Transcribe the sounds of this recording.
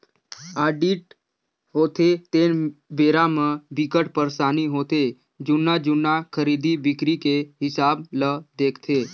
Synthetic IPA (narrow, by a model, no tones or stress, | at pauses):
aːɖiʈ̚ | ɦot̪ʰet̪enbeːɾamãbikəʈpəɾsaːniɦot̪e | d͡ʒʊnːad͡ʒʊnːakʰəɾid̪ibɪkɾikeɦɪsaːbləd̪eːkʰt̪ʰe